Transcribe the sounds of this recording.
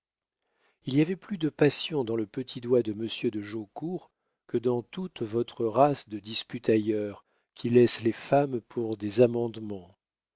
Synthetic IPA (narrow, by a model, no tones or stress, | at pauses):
iliavɛplyd̪əpasjɔ̃d̪ɑ̃ləpət̪ʰid̪wad̪əməsjød̪əʒokuʁ | kəd̪ɑ̃t̪ut̪vɔt̪χəʁasd̪əd̪ispyt̪ajœʁ | kʲʰilɛslefampʰuʁd̪ezamɑ̃d̪mɑ̃